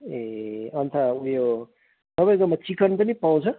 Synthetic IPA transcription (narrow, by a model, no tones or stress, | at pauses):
eʌnt̪ʰaujo | sʌbʌjɡʌmat͡sikʌnpʌnipaw̃t͡sʰʌ